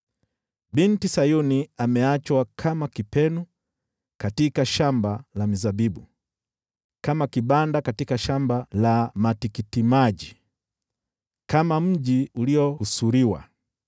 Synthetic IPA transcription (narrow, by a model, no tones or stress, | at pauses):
bintisajuniamɛat͡ʃwakʰamakipɛnu | katikaʃambalamizabibu | kamakiɓandakatikaʃambalamatikitimaʄi | kamam̩ʄiuliɔhusuɾiwa̰